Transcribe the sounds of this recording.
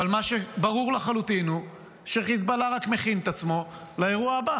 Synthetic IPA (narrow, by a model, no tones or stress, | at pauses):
valmaʃebaʁuʁlaχalut̪inu | ʃeχizbalaʁakmeχint̪at͡smo̞laeʁuaaba